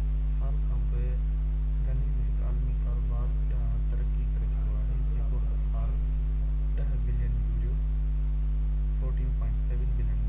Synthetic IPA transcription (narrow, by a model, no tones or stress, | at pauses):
ɪsaːlkʰãːpoe | ɡʱɐnimẽkaːlmikaːɾobaːd̪ɗɐɦ | t̪ɐɾkikɐɾeɡʱãŋɡlaːɦe | jãʊɦ | saːl | ɗɐɦbɪlijənʊ̃lijo | fʰoːʈĩũpɔ̃ːɪ̃ɳʈseːʋənbɪlɪjən